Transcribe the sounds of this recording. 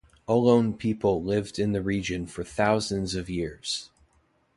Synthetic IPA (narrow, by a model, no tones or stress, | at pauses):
əlõʊ̃npʰipl̩ˠlɪvdɨ̃nðɨɹid͡ʒɨ̃nfə˞θaʊzɨ̃nzʌvjɪɹz̥